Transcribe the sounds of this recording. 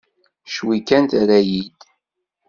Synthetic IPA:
ʃwikːænt̪ɾæjid̪̥

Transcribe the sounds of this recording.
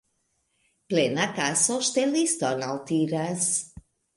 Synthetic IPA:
plenakasɔʃt̪elist̪ɔnalˠt̪iɾaz

